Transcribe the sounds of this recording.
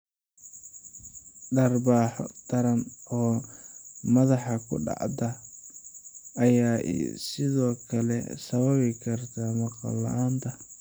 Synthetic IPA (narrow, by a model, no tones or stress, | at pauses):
ɖɐrbaːħɔ̰t̪ɐɾɐnɔː | mɐðɑħɑkʰʊ̰ɖɑ̰ʕd̪ɐ | ɐjaːʔɛ̰sɪðɔːkʰɐlɛ̰sɐβɐβɪkʰɐrt̪ʰamɑqɑ̰lːɐ̰ʔaːnt̪ʰɐ